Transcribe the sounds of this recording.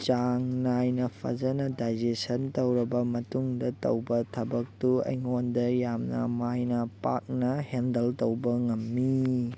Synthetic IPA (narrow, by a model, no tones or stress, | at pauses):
t͡ʃaŋnajnɐpʰɐ̰zɐnɐdajd͡ʒesɐntɐwɾɐbɐmɐtuŋdɐtɐ̰wbɐtʰɐbɐk̚tuɐ̰jŋondɐjamnɐ̰majnɐpa̰k̚nɐhendɐltɐwbɐŋɐmːi